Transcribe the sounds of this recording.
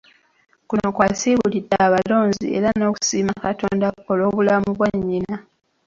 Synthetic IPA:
kunokwasiːβulidaːβalo̞ːɲzḭe̞̰ɾano̞ːku̥siːmakato̞̰ːndao̞lo̞ːβulamuβwaɲːina

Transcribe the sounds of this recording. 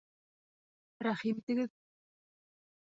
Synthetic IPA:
ɾɑχimt̪ɘ̆ɡɘð

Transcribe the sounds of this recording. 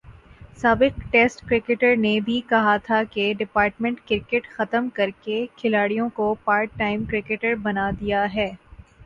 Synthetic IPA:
saːbɪq̚ʈeːsʈkɾɪkeʈəɾnebʱikɐɦat̪ʰakeɖɪpaːɾʈmɛ̃ɳʈkɪɾkeʈxɐt̪əmkɐɾkekʰɪlaːɽijõkopaːɾʈːaːɪmkɾɪkeʈəɾbɐnad̪ijaɦɛː

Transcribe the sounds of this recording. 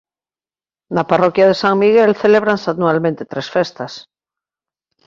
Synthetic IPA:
naparokjaðesaŋmiɣelθeleβ̞ɾansanualmẽnt̪et̪ɾesfest̪as

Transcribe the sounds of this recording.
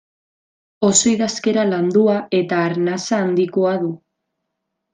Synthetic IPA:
o̞so̞jðaske̞ɾaland̪uae̞t̪aːɾnasaːnd̪ikoaðu

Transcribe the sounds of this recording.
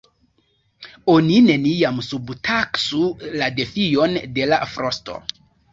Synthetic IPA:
o̞nine̞niamsubtʰaksulade̞fio̞nde̞lafɾo̞sto̞̰

